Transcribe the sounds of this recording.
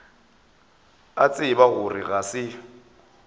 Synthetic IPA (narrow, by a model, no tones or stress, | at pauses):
at͡sʼɪbaɣʊrɪɣasɪ